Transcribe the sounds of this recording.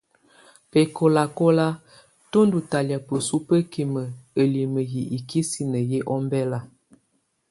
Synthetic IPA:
pe˨ko˨la˨ko˦la˦ | to˦ndu˨ta˨lja˨pə˨su˦pə˦ki˨mə˨ə˨li˨mə˨ji˨ʔi˨kʰi˦si˨nə˨je˦ʔɔ˦mbɛ˦la˦˨

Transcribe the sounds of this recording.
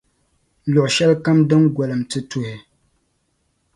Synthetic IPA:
lɔ˨ʔʃɛ˦lka˦mdɨ˦mɡɛ˨lɨ˨mtɨ˦tu˨hɪ˨

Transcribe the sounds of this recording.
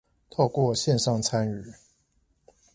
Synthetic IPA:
t̪ʰo˥˧ʊkwɔ˥˨ɕjɛ˥˧nʂɑ˥˨ŋt͡sʰa˦ny˨˩˦

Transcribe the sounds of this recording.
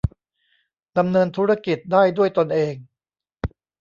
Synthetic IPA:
da˧mnɤː˧nt̪ʰuː˦˥ɾa˥ki˨˩t̪̚daː˥˩jdu˥˩əjt̪o˧nʔeː˧ŋ

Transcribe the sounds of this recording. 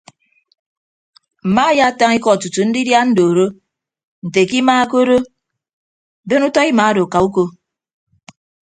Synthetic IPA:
m̩˨ma˦ja˦ta˦ŋi˦kɔ˦˨tu˨tu˨n̩˦di˦dja˦n̩˦do˨ɾo˦ | n̩˨te˨ki˦maː˦ko˦ɾo˦ | be˦nu˦tɔ˦i˦ma˨˦a˦do˨ka˨u˦ko˦

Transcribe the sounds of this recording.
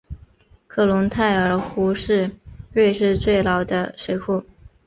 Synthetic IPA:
kʰɤ˥˩lʊ˧˥ŋt̪ʰa˥˩ɪə˞˨˥xu˧˥ʂɻ̩˥˧ɻwe˥˧ɪʂɻ̩˥˧t͡swe˥˩ɪlɑ˨˩ʊd̪ə˧ʂwe˨˧˥ɪxu˥˩

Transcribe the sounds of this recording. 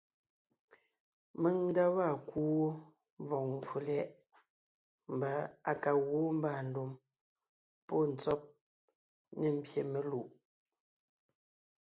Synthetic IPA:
me˦ŋn̩˦da˦wa˦˨kuː˦ | vɔ˨ŋ˨fu˨lɛ˦ʔ | m˨ba˨a˨ka˨ɣwo˦m̩˦ba˨n̩˨du˨m | pɔ˦n̩˨t͡sɔ˦p̚ | ne˦˨m̩˦˨bje˨me˨lu˦˨ʔ

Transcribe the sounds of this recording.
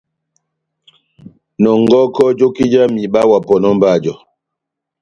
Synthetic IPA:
nɔ˨ŋɡɔ˦kɔ˦d͡ʒo˦ki˦d͡ʒa˦mi˨ɓa˦wa˨pɔ˨nɔ˦m˦ba˦˨d͡ʒɔ˨

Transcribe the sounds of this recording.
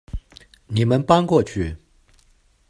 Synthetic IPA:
ni˨˩mə˦npa˥nkwɔ˥˧t͡ɕʰy˥˩

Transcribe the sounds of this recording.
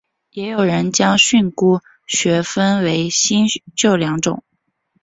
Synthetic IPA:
jɛ˧˥jo˨˩ʊɻə˧˥nt͡ɕjɑ˥ŋɕy˥˧nku˥˩ | ɕɥɛ˧˥fə˥nwe˧˥ɪɕi˥nt͡ɕjo˥˩ʊljɑ˧˥ŋʈ͡ʂʊ̰˨˩˦ŋ

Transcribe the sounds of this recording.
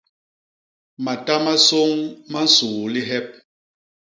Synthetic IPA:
ma˨ta˦ma˦so˦ŋma˦n̩˦su˨li˦ɦɛ˦p̚

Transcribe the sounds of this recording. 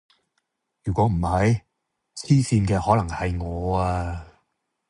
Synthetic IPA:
jyː˨˩kʷɔː˨˥m̩˨˩hɐ˨˥j | t͡sʰiː˥siː˧nkɛː˧hɔː˨˥lɐ˨˩ŋhɐ˨jŋɔː˨˧aː˧

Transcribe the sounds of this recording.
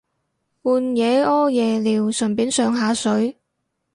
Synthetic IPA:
uː˨˧njɛː˨˧ɔː˥jɛː˨˧liː˨˩wsɵ˨˩npiː˨˥nsœː˨˧ŋɦaː˨˥sɵ˨˥ɥ

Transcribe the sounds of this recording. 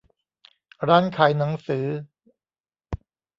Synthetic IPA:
ɾaː˦˥nkʰaː˩jna˩˦ŋsɯː˩˦

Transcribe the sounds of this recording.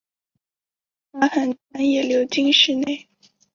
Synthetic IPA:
na˧˥xə˨˩na˧˥njɛ˨˩ljo˧˥ʊt͡ɕi˥˧ŋʂɻ̩˥˧ne˥˩ɪ

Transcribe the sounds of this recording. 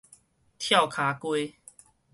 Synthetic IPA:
t̪ʰja˥˨ʊkʰa˨˦kwe˦

